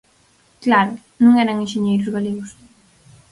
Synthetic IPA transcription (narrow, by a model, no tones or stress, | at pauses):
klaɾʊ | nũŋɛɾɐŋẽʃeɲejɾʊzɣaleɣʊs